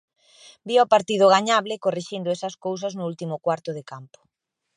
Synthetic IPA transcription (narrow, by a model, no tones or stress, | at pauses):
biɔpaɾt̪ið̞ʊɣaɲaβlɪkoriʃind̪ʊɛsɐskows̬ɐznʊult̪imʊkwaɾt̪ʊðɪkampʊ̥